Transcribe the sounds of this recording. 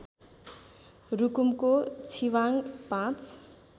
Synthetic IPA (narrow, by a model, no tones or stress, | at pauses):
rukumkot͡sʰiwaŋpãt͡s